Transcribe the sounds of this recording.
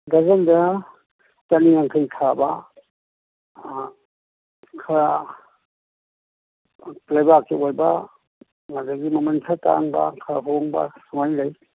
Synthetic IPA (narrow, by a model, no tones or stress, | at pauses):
ɡazanda | taniaŋkʰɯjkʰaba | kʰaɾa | lajbakʰːeojba | ŋazaɡimɐmansʰata̰ŋba̰kʰɾaɦoŋba̰suŋajlaj